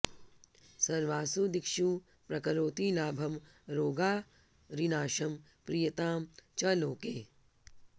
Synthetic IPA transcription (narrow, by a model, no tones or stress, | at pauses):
sɐɾʋaːsud̪ɪkʃuː | pɾɐkɐɾoːt̪iːlaːbʱɐm | ɾoːɡaː | ɾinaːʃɐm | pɾijɐt̪aːmt͡ʃɐloːkeː